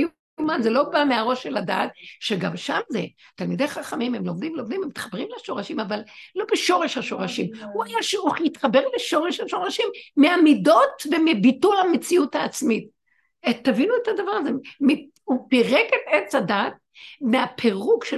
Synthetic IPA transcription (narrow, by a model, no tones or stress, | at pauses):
ju | umanzelo̞bameaʁo̞ʃelada̰ːt̚ʃeɡamʃamzet̪almid̪ejχaχamimemlo̞md̪imlo̞md̪imemit̪χabʁimlaʃo̞ʁaʃimavalːo̞beʃo̞ʁeʃhaʃo̞ʁaʃimhuajaʃuχjit̪χabeʁleʃo̞ʁeʃhaʃo̞ʁaʃimːeamido̞tvemibitulamet͡siutaːt͡smit̚ | et̪avinuetadavaʁazemi | upiʁeket̪et͡shadat̪̚meapʰeʁukʃe